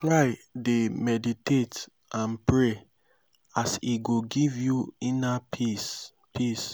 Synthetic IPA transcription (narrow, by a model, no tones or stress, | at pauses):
tɹajdemɛditet | ãnpɹe | asiɡoɡivjuinapʰis | pis